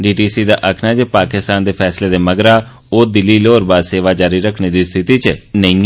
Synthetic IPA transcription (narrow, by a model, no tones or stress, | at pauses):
ɖiːʈiːsiːd̪a̰ːʔəkʰnaːd͡ʒeːpaːkɪst̪aːnd̪eːpʰɛːsleːd̪eːməɡɾaː | oːd̪ɪlːiːloːɾbaːd̪seːʋaːd͡ʒaːɾiːɾəkʰneːd̪iːst̪ʰɪt̪iːt͡ʃnəĩ